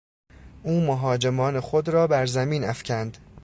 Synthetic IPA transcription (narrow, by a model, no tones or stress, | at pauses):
ʔuːmoɦɒːd͡ʒemɒːne̞xod̪ɾɒːbæɾzæmiːnæfcʰænd̪̥